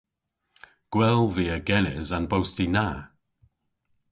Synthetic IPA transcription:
ɡ̥wɛlˠviːəɡɛnɪzanbowstina

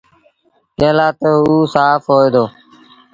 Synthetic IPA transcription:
keːlaːt̪əuːsaːfɦoːeːd̪oː

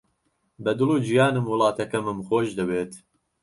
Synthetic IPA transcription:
bɛd̪ɨluːd͡ʒijɑːnɨmwɨlˠɑːt̪ɛkɛmɨmxoːʒd̪ɨweːt̪

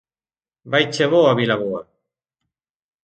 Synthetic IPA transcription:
bajt͡ʃeβoaβilaβoa̰

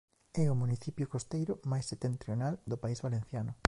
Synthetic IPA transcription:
ɛʊmuniθipjʊkost̪ejɾʊmajsːet̪ːent̪ɾjonald̪opaizβalen̟θjanʊ

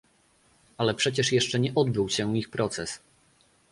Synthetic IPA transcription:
alɛpʂɛt͡ɕɛʂjɛʂt͡ʂɛɲɛʔɔd̪bɘwɕɛ̃ixpɾɔt̪sɛs

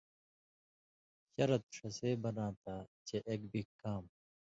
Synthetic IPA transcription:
ɕɐɾɐt̪̚ʂɐseːbɐnãːt̪aːt͡ɕeʔeːk̚bʱikːaːm

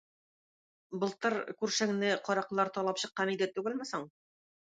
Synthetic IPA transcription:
bɤ̆lˠt̪ɤɾkʉɾʃæŋnɘqɒɾɑqlˠɑɾt̪ɒlˠɑpɕɤ̆qːɑnid̪æt̪ʉɡɘ̆lmɘsɤɴ

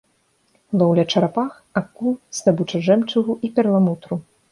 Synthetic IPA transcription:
lˠɔwlʲat͡ʂɐɾapax | akːuz̥d̪abut͡ʂɐʐɛmt͡ʂuɣuʔipʲɛɾlˠamut̪ɾu

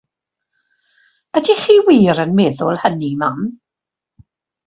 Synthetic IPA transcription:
ədiχiːwiːɾənmɛðʊlˠhəniman

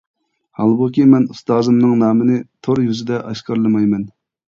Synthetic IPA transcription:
hɑlˠbukʲimɛnust̪ɑːzɨmnɨŋnɑːmɨnɨt̪ʰoɾjyzɪd̪ɛʔɑʃqɑɾlˠɨmɑjmɛn

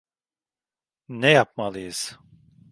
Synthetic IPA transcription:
nɛjapmalˠɯjɯz̥

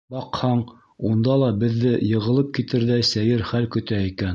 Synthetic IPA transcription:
bɑqhɑɴ | und̪ɑlˠɑbɘ̆ðːɘjɤ̆ʁɤ̆lˠɤp̚kit̪ɘɾðæsæjɘɾχælkɵ̆t̪æikæn

